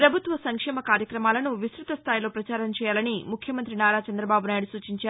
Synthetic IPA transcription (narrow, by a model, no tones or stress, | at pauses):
pɾɐbʱut̪ʋɐsɐŋkʂɛːmɐkaːɾjɐkɾɐmaːlɐnuʋisɾut̪ɐst̪ʰaːjilo̞ːpɾɐt͡ʃaːɾɐmt͡ʃɛːjaːlɐnimukʰjɐmɐnt̪̬ɾinaːɾaːt͡ʃɐnd̪ɾɐbaːbunaːjiɽusuːt͡ʃiɲt͡ʃaːɾu